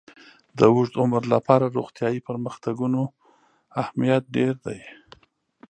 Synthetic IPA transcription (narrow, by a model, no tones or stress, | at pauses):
d̪əwʊʐd̪ʊməɾlapɑɾaɾoɣt̪jɑjipəɾməxt̪aɡuno | ahmijat̪̚ɖeɾd̪aj